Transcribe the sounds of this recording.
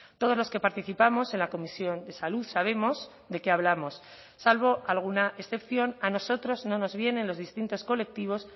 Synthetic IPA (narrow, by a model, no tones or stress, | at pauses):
t̪o̞ðolo̞ske̞paɾt̪iθipamo̞se̞nlako̞misjo̞nd̪e̞saluðsaβ̞e̞mo̞s | d̪e̞keaβlamo̞sː | alβo̞ʔalɣ̞unaesθe̞pθjo̞nano̞so̞t̪ɾo̞zno̞no̞zβje̞ne̞nlo̞zðist̪int̪o̞sko̞le̞k̚t̪iβ̞o̞s